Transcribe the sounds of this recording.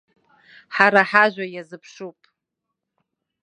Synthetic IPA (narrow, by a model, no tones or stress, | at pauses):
ħaɾaħaʒʷᶣajazɨpʰʂupʼ